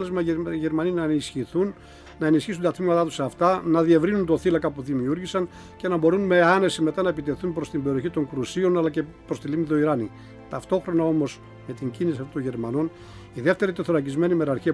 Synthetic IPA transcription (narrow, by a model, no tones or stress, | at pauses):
lezmɐʝe̞ɾmɐninɐenisçiθunː | ɐe̞nisçis̬unt̪ɐt̪mimɐt̪ɐt̪u̥sɐft̪ɐnɐðie̞vɾinunt̪oθilɐkɐpuðimiuɾʝisɐn | ce̞nɐbo̞ɾunme̞ɐne̞sime̞t̪ɐnɐepit̪e̞θunpɾo̞st̪imbe̞ɾio̞çit̪o̞ŋkɾusio̞nɐlɐce | pɾost̪ilimiðo̞iɾɐnḭ | t̪ɐft̪o̞xɾo̞nɐo̞mo̞s | me̞t̪iɲɟinisiɐft̪ot̪ʝe̞ɾmɐno̞n | iðe̞ft̪e̞ɾit̪eθoɾɐcizme̞nimeɾɐɾçiɐ